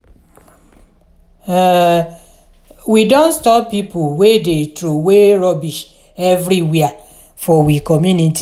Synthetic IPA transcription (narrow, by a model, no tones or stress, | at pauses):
widõntstɔppːipowedetɾoweɾɔbiʃ | ɛvɾiwia | fɔwikɔmjuniti